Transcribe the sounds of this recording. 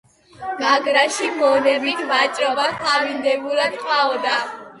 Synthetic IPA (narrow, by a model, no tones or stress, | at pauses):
maɡɾaʃimɔnɛbit̪ʰvat͡ʃʼɾɔbaχamind̪ɛbuɾad̪qʼwaɔd̪a